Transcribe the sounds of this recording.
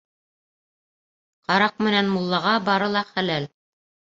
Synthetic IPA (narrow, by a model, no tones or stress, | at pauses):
qɑɾɑq̚mɘ̆nænmulˠːɑʁɑbɑɾɤlˠɑχælæl